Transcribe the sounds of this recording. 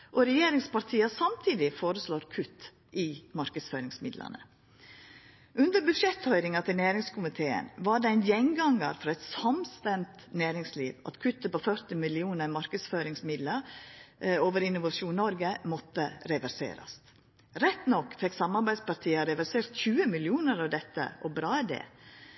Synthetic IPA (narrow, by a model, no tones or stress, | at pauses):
ʔɔɾɛjeːɾɪŋspɑɾt̪ʰiːɑsɑmt̪ʰiːd̪ɪfoːɾəsloːɾkʰʉt̪ː | ʔɪmɑɾkədsfœːɾɪŋsmɪd̪lə̰nə̰ | ʔʉnd̪əɾbʉd̪ʂɛt̪hœʏɾɪŋɑt̪ʰɪlnæːɾɪŋskʰʊmɪt̪ʰeːə̰nʋɑɖɛæɪnjɛŋɡɑŋɑ̰ɾfɾɑɛɪt̪sɑmst̪ɛmt̪næːɾɪŋsliːʋɑ̰t̪kʰʉt̪ːəpɔfœɾt̪ɪmɪlɪuːnəɾmɑɾkəd̪sføːɾɪŋsmɪd̪ləɾ | oːʋəɾɪnʊʋɑʂuːnnɔɾɡəmɔt̪ːəɾɛʋæɾsḛːɾɑ̰st̪ | ɾɛt̪ːnɔkːfɛksɑmɑɾbæɪd̪spɑɾt̪ʰiːɑɾɛʋæɾseːɾt̪çʉːəmɪlɪuːnəɾɑʋd̪ɛt̪ːə̰ʔɔbɾɑːɛd̪ɛ̰ː